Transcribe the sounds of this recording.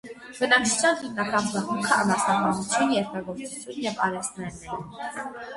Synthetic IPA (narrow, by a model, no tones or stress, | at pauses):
b̥ənɑkt͡sʰu̥t͡ʃʰjɑnχimnɑkɑnbɑχukʰəɑmɑsnɑkɑnut͡sʰjunjɛɾt̪ɑɡɔɾt͡sut͡sʰjunjɛvɑ̰ɾɛst̪nɛnːɛɾi